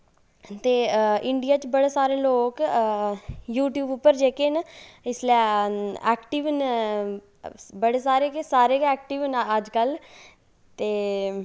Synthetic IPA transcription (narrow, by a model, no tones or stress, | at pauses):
t̪eːɪɳɖijaːt͡ʃbəɽeːsaːɾeːloːk | juːʈjuːbʊpːəɾd͡ʒeːkeːnɪslɛɛːkʈiːʋn | bəɽeːsaːɾeːkesaːɾeːkɛːk̚ʈiːʋnəd͡ʒkəl | t̪eː